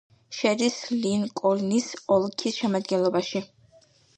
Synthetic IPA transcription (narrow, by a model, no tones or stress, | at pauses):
ʃɛd̪islinkʼɔlnisɔlˠkʰisʃɛmad̪ɡɛnlˠɔbaʃi